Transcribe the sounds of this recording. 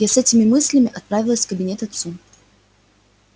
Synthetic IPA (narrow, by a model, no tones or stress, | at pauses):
jasɛtʲɪmʲɪmɨsʲlʲɪmʲɪʔɐt̪̚pɾavʲɪlˠəsʲkəbʲɪnʲe̞t̪ɐt̪su